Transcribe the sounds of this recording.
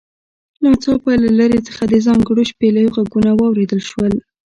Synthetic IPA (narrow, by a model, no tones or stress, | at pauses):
nɑt͡sɑpɑjlalaɾet͡sə̥xad̪əzɑŋɡɽoʃpelaoɣaɡunawɑwɾed̪əlʃwəl